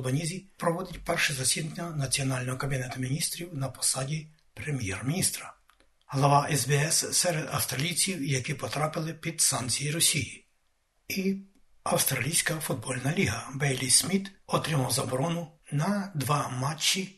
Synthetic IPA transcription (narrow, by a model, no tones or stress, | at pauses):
lˠbɐnʲizʲipɾɔʋɔd̪ɪt̚ʲpɛrʃɛzɐsʲid̪nʲɐnɐt͡sʲiɔnɑlʲnɔɦɔkɐbʲinɛt̪ʊmʲinʲist̪ɾʲiwnɐpɔ̥sɑdʲi | pɾemʲjɛrmʲinʲist̪ɾɐ | ɦlˠɐʋɑʔɛzbɛɛssɛɾed̪ɐ̰wst̪ɾɐlʲijt͡sʲiwjɐkipɔt̪ɾɑpɪlˠɪpʲid̪sɑntt͡sʲijiɾɔsʲiji | i | ɐwst̪ɾɐlʲijsʲkɐfʊd̪̚bɔlʲnɐlʲiɦɐbɛjlʲisʲmʲit̪ɔt̪ɾɪmɐwzɐbɔɾɔnʊnɐd̪ʋɑmɑt͡ʃːi